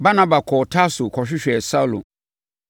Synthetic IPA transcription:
ba˦nã˦ba˨kʰɔ˨tʰa˦sʊ˨kʰɔ˨ɕᶣɪ˦ɕᶣɛ˨sa˦u˦lʊ̰˨

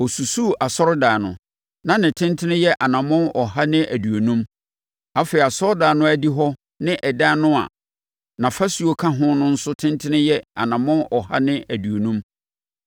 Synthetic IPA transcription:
ɔ˨su˨su˦˨ʔa˨sɔ˦ɾʊ˦daː˨nʊ̰̃˨ | nã˨nɪ̃˨tʰɪ̃˦ntʰɪ˦nɪ̃˦jɛ˦ʔa˨nã˨mɔ̃˦nɔ˨ha˦nɪ̃˦ʔæ˨du˨o˨nũ˦m | a˦feː˨ɾi˨a˨sɔ˦ɾdaː˨nʊ̃˦æ˦di˦ɦɔ˦ | nɪ̃˦ʔɛ˨daː˦nʊ̃˦a̰˨ | nã˨fa˦su˨˦o˦kʰa˦ɦʊ̃˦nʊ̃˦n̩˦sʊ˦tʰɪ̃˦ntʰɪ˦nɪ̃˦jɛ˦a̰˨nã˨mɔ̃˦nɔ˨ha̰˦nɪ̃˦æ˨du˨o˨nũ˦m

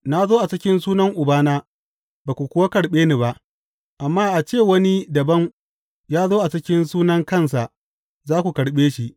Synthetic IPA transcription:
na˦zoː˦ʔa˨t͡ʃɪ˦kʲɪ˦nsuː˦nɐ˦ŋʔʊ˨baː˦naː˦ | baː˨kʷu˨kʷʊ˦wa˦kɐ˨ɽɓeː˦ni˨ba˦ʔ | ʔa˨mːaː˦ʔa˨t͡ʃeː˦˨wɐ˦ni˦dɐ˨bɐ˦ŋ | jaː˦zoː˦ʔa˨t͡ʃɪ˦kʲɪ˦nsuː˦nɐ˦ŋkɐ˦˨ns̬a˨ʔ | zaː˦kʷu˨kɐ˨ɽɓeː˦ʃi˦ʔ

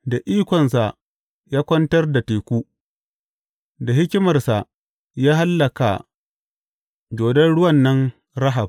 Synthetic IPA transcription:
da˨ʔiː˦kʷɔ˨nsa˨ | jaː˦kʷɐ˦ntɐ˦rda˨teː˨kʷuː˦ | da˨ɦɪ˦kʲɪ˦mɐ˨rsa˨ | jaː˦ɦa˦lːɐ˨ka̰˨ | d͡ʒoː˨dɐ˦nɽʊ˦wɐ˦˨nːɐ˦n | ɾɐ˦ɦa˨b̚

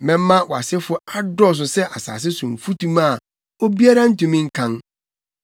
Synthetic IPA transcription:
mɛ̃˦mː˦ã˦wɔ˨a˨sɪ˦fʊ˦a˦dɔ˦˨s̬ʊ˨sɛ˦ʔa˨sa̰ː˨s̬ɪ˦sʊ̃˨m̩˨fu˦tʰũ˦ma˦˨ | o˦bi˦a˦ɾa˦n̩˦tũ˨mĩ˦ŋ̩˦kʰã˦n

